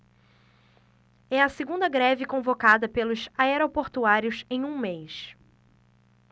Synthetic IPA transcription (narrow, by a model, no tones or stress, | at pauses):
ɛɐseɡũnd̪ɐɡɾɛvɪkõvokad̪ɐpelʊzaɛɾopoɾt̪uaɾiʊsẽj̃ũmejs